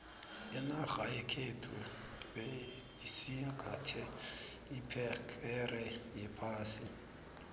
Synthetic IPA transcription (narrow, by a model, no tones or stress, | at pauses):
jɛnaɣajɛkʰetʰu | bɛ | isikʰʼatʰɛ | ipʰɛkʰɛrɛjɛpʰaːsɪ